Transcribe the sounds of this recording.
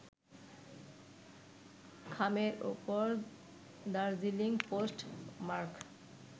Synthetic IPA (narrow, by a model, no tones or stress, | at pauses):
kʰameɾṵpoɾ | d̪aɾziliŋposʈmaɾk